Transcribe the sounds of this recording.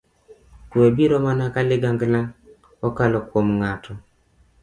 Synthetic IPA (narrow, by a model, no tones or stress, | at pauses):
kuebiɾɔmanakalɪɡaŋɡlaŋ | ɔkalɔkwomŋatʰɔ